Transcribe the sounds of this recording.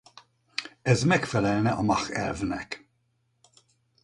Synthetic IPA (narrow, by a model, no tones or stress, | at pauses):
ɛzmɛkfɛlɛlnɛʔɔ̰mɑxɛ̰ɾvnɛ̰k